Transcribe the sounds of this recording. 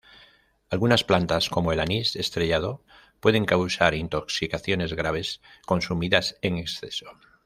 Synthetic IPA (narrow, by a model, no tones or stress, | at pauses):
alɣunasplant̪asko̞moelanise̞st̪ɾeʎað̞o | pwe̞ð̞e̞ŋkawsaɾint̪o̞ksikaθjo̞ne̞zɣɾaβ̞e̞sko̞nsumiðase̞ŋeksθe̞so̞